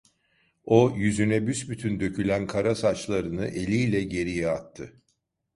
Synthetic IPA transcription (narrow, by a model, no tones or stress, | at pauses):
o̞jyzynɛbysbyt̪ʰynd̪ø̞cʰylʲænkʰaɾasat͡ʃlˠaɾɯnɯʔe̞lʲijlʲɛɟe̞ɾijɛat̪ʰːɯ